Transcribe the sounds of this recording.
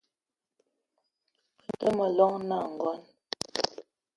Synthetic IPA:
pə˨n̩˨tə˦mə˨lɔ˦ŋna˦˨ŋ̩˨ɡɔ˦n

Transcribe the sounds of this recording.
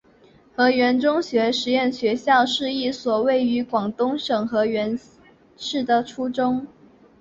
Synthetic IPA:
xɤ˧˥ɥɛ˧˥nʈ͡ʂʊ˥ŋɕɥɛ˧˥ʂɻ̩˧˥jɛ˥˩nɕɥɛ˧˥ɕjɑ˥˧ʊʂɻ̩˥˧i˥˩swɔ˨˩we˥˩ɪy˧˥kwɑ˨˩ŋt̪ʊ˥ŋʂɤ˨˩ŋxɤ˧˥ɥɛ˧˥n | ʂɻ̩˥˩d̪ə˨ʈ͡ʂʰu˥ʈ͡ʂʊ˥ŋ

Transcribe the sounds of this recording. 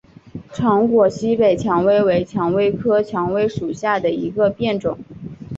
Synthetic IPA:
ʈ͡ʂʰɑ˧˥ŋkwɔ˨˩ɕi˥pe˨˩ɪt͡ɕʰjɑ˧˥ŋwe˥ɪwe˧˥ɪt͡ɕʰjɑ˧˥ŋwe˥ɪkʰɤ˥t͡ɕʰjɑ˧˥ŋwe˥ɪʂu˨˩ɕja˥˩d̪ə˩i˧˥ɡə˧pjɛ˥˩nʈ͡ʂʊ˨˩˦ŋ

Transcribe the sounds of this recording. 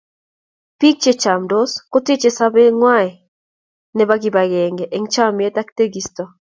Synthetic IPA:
pi˦k̚t͡ʃe˦t͡ʃa˨mdoskʊ˦ti˦t͡ʃe˦sabe˦ŋwaɛ˨ | nɛ˦baɡɪ˨ba˨ɡɛ˨ŋɡɛʔe˨ŋt͡ʃa˦mje˦ta˦kte˦ɡistɔ˨

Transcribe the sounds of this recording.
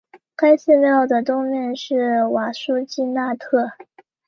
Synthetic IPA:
kʰa˥ɪɕɛ˥˧ljɑ˥˩ʊd̪ə˩t̪ʊ˥ŋmjɛ˥˧nʂɻ̩˥˩wa˨˩ʂu˥t͡ɕi˥˧na˥˧t̪ʰɤ˥˩

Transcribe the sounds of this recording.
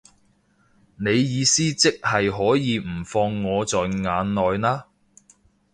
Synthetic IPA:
ne˨˧jːiː˨˧siː˥t͡sɪ˥k̚hɐ˨jɦɔː˨˥jiː˨˧m̩˨˩fɔː˧ŋːɔː˨˧t͡sɔː˨jŋaː˨˧nlɔː˨jnaː˥

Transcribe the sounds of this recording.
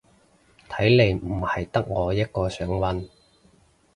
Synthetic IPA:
t̪ʰɐ˨˥jle˨˧jm̩˨˩hɐ˨jt̪ɐ˥k̚ŋɔː˨˧jɐ˥t̚kɔː˧sœː˨˥ŋwɐ˨˥n

